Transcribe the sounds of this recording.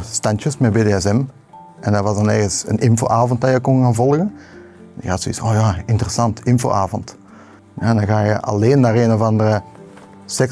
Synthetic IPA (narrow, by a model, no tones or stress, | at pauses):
stɑntjəsmɛt̚beːdeɛsɛm | ʔɛndɑʋɑzdɑnɛrɣənsə̰nɪnfo̰ːʔaːvɔnt̚dɑjəkɔnɣaːnvɔlˠɣən | njəhɑtsoḭsoːjaːɪntərəsɑntɪnfo̰ːʔaːvɔnt | ja̰ːɛndɑnɣaːjəʔɑ̰leːnːaːreːnovɑndərə | sɛk